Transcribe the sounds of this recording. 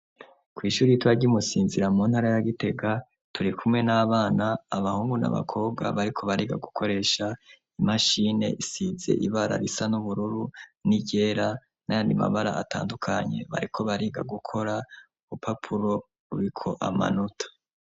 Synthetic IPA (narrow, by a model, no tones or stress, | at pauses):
kwiːʃuːɾiitwaɟiumusiːnziɾamuːnhaɾajaɡite̞ɡa | tʰuɾikʰumŋe̞naːβaːnaːβahuːŋɡuna̰βa̰kʰo̞ːb̚ɡa̰βaɾikʰo̞βaɾiːɡa̰ɡukʰo̞ɾe̞ʃa | imaʃiːne̞̰ʔisize̞̰ʔiβaɾa̰ɾisanuβuɾuɾuniɟe̞ːɾa | najandima̰βaɾa̰ʔatʰa̰ːndukʰaɲe̞̰βa̰ɾikʰo̞βaɾiɡaɡukʰo̞ɾa | uβupʰapʰuɾo̞ | uɾikʰo̞ʔama̰nutʰḁ